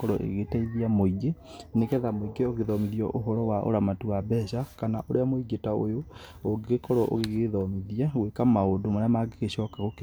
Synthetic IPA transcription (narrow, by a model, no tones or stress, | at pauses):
kɔɾɔʔḛɣetɛiðiamoiɡe | nekɛðamoiɡeoɣeðɔmiðiɔʔoɦɔɾɔwaʔo̰ɾamatuabɛʃakanaʔoɾeamoiɡetao̰jo | oɡekɔɾɔʔo̰ɣeɣeðɔmiðiaɣwekamaodomanamaɡeɣeʃɔːkaɣok